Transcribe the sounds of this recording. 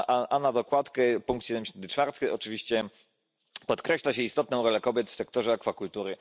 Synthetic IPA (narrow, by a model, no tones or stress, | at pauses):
ʔaʔanad̪ɔkwat̪kɛpuŋkt̪ɕɛd̪ɛmd͡ʑɕɛnt̪ɘ̥t͡ʂfaɾt̪ɘʔɔt͡ʂɨvʲiɕt͡ɕɛ | pɔt̪kɾɛɕlaɕɛist̪ɔt̪nɔ̃w̃ɾɔlɛkɔbʲjɛt̪fsɛkt̪ɔʐɛakfakult̪uɾɘ